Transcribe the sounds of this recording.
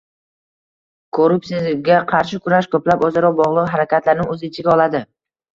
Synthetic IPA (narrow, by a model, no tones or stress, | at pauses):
kʰoɾʊpsiɡʲaqʰɑɾʃɪkʰʊɾaʃkʰɵplapɒzaɾɒwbɒʁlˠɨqɦaɾakʲʰat̪ʰlaɾnɪŋɵzɪɪt͡ʃʰɪɡʲaɒlˠad̪ɪ